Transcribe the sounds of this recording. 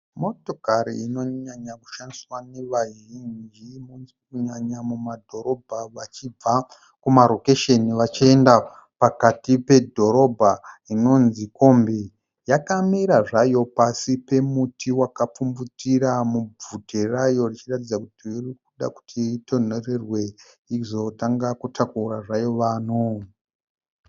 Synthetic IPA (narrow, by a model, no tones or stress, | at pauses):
mo̞to̞kaɾḭino̞ɲaɲaku̥ʃandiswane̞ʋaʒind͡ʒimunz | kuɲaɲamumadʱo̞ɾo̞bʱaʋat͡ʃib͡va | kumaɾo̞ke̞ʃeniʋat͡ʃie̞nda | pakatipe̞dʱo̞ɾo̞bʱaino̞nziko̞ːmbi | jakamiɾaʐajo̞pasipe̞mutʰiwakap͡fumbutiɾamub͡vuterajo̞rit͡ʃiratid͡zakutiirik̚uɗa̰ku̥tʰito̞n̤o̞re̞rwe̞ | izo̞taŋɡakutʰakuraʐajo̞ʋaːno